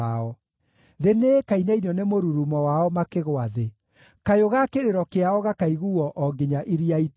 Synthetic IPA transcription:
aɔ | ðenekainɛiniɔnemoɾuɾumɔwaɔmakeɣwaðe | kajoɣakeɾeɾɔkeaɔɣakaiɣuɔʔɔɡeɲaʔeɾiait

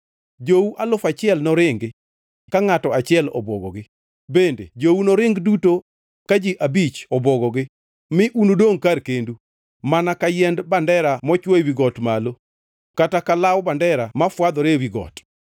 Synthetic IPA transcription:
d͡ʒouʔalʊfat͡ʃɪɛlnɔɾɪŋɡɪ | kaŋatɔat͡ʃɪɛlɔ̰bɔ̰ɡɔ̰ɡɪ | bendḛd͡ʒownɔɾɪŋɡduto | kad͡ʒɪʔabit͡ʃɔbɔɡɔɡɪ | mɪʔunodoŋkarkendu | manakajɛndbandɛɾamɔt͡ʃwɔjwiɡɔtmalo | katakalawbandɛɾamafwad̪ɔɾewiɡɔ̰t

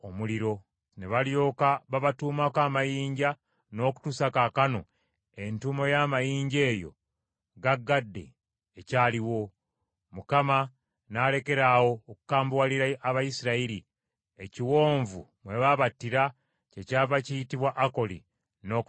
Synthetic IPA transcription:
omuliɾo̞ | ne̞βaljo̞ːkaβaβatuːmakaːmajiːɲɟa | no̞ːku̥tusakakano̞̰ | e̞ntumo̞jaːmajiːɲɟe̞ːjo̞̰ | ɡaɡːadːe̞̰ː | caːliwo̞ | mukama | naːle̞ke̞ɾawo̞ːku̥kaːmbwaliɾaaβajisiɾaiɾi | eciwo̞ːɱvṵmwe̞βaβatːiɾa | ce̞caːvacijitiβwaʔːko̞lḭ | no̞

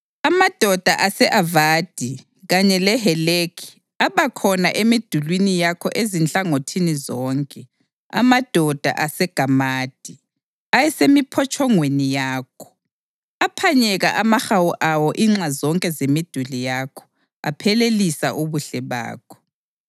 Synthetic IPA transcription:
amad̥ʱɔd̥ʱaʔasɛʔavaːd̥ʱi | ɣaɲɛlɛɦɛlekʰi̥ | aβakʰɔnaʔemid̥ʱulwinijakʰɔʔezint͡ɬʼaŋotʰinizɔːŋkʼɛ | a̰mad̥ʱɔd̥ʱa̰ʔasɛɡ̥ʱamaːd̥ʱi | ajɛsemipʰɔt͡ʃʰʼɔŋwenijaːkʰɔ̥ | apʰaɲɛɣaʔamaxawuʔawɔʔiŋ͡ǁazɔŋkʼɛzemid̥ʱulijakʰɔ̥ | a̰pʰɛlelisa̰ʔuβuɬɛβa̰ːkʰɔ̥

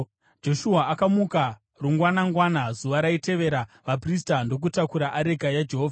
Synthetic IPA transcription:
d͡ʒo̞ʃuɦaʔakamuka | ruŋɡwanaŋɡwanazuʋaɾaite̞ʋe̞ɾaʋapris̬tando̞k̬utakuɾaʔaɾe̞ɡʱajad͡ʒe̞ɦoːvʱa

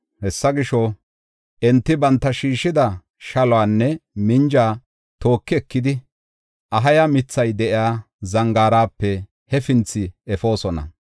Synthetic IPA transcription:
hɛsːɐɡɪʃɔ | ʔɛnt̪ːɪbɐnt̪ːɐʃiːʃɪd̪ɐ | ʃɐlɔwaːnːɛmɪnd͡ʒaː | t̪o̞ːkːɪɛkːɪd̪ɪ | ʔɐɦɐjɐmɪt͡sːɐjd̪ɛʔɪjaː | zɐŋɡaːɾaːpːɛ | hɛfɪnt͡sːɪɛfo̞ːsɔnɐ̰

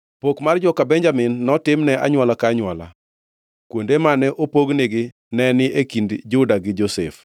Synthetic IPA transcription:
pokmard͡ʒɔkabɛɲd͡ʒamɪnːɔtɪmnɛʔa̰ɲwalakaɲʊwala̰ | kwondemanɛʔopoɡnɪɡɪ | nɛnɪʔekindd͡ʒʊdaɡɪd͡ʒosɛ̰f

